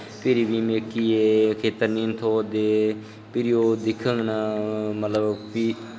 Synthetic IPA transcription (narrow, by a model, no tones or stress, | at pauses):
pɪɾiːʋiːmɪkiːeːkʰeːt̪əɾniːnt̪ʰoːd̪eː | pɪɾioːd̪ɪkʰːəŋɡnaːmət̪ləbpiː